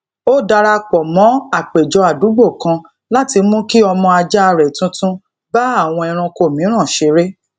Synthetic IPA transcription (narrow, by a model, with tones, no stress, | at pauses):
o˦da˧ɾa˧k͡pɔ˨mɔ̃˨˦a˦˨k͡pe˨d͡ʒɔ˧a˨du˨˦ɡ͡bo˦˨kã˧ | la˦ti˧mũ˦ki˦ɔ˧mɔ̃˧a˧d͡ʒa˦˧ɾɛ˨tũ˦tũ˦ | ba˦a˦˨w̃ɔ̃˧ɛ˧ɾ̃ã˧ko˧˨mĩ˨˦ɾ̃ã˦˨ʃe˧˦ɾe˦